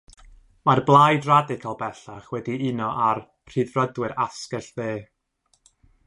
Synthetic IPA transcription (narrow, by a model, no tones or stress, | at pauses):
marblˠajdradɪkʰalˠbɛɬaχwɛdiɨnɔʔar | r̥iːðrədwɪɾaskɛɬbeː